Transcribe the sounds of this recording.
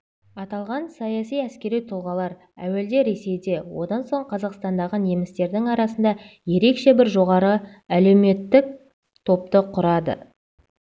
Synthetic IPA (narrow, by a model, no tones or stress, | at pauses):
ɑt̪ɑlˠʁɑnsɑjɑsijæskʲe̞ɾijt̪ʰʊlˠʁɑlˠɑɾ | æ̰we̞ld̪e̞ɾe̞se̞jd̪e̞wo̞̰d̪ɑnso̞ɴqʰɑzɑqst̪ɑnd̪ɑʁəne̞mɪst̪e̞ɾd̪ɪŋɑɾɑsənd̪ɑje̞ɾe̞kʃe̞bɪɾʒo̞ʁɑɾə | æle̞wme̞t̪ːɪk̚ | t̪ʰo̞p̚t̪əqʰʊɾɑd̪ə̰